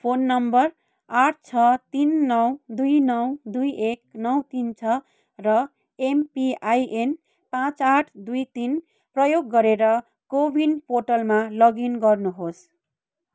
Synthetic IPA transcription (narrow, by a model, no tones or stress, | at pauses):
pʰonːʌmbʌr | aʈ̚ʰt͡sʰʌt̪inːʌwd̪ujnʌwd̪ujek̚nʌwt̪int͡sʰʌ | rʌ | empiajʔen | pãt͡saʈʰd̪ujt̪in | prʌjoɡːʌɾeɾʌ | kobinpoʈʌlmalʌɡinɡʌrnuɦos